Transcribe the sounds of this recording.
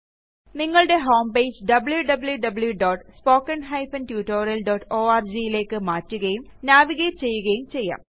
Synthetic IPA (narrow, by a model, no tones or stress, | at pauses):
niŋːɐɭɽe̞ɦo̞ːmpe̞ːd͡ʑɖɐbɨɭjuɖɐbɨljuɖɐbɨljuɖoːʈspo̞ːkːɐnɦɐjfɐntjuːʈːoːɾɐlɖoːʈːoːaːrd͡ʑijile̞ːkːɨmaːtːuɣɐjum | naːʋiɣeːtt͡ɕe̞jːuɣɐjumt͡ɕejːa̰ːm